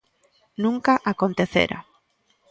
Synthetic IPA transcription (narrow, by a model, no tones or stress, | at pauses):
nũŋkaʔakont̪eθḛɾʔa̰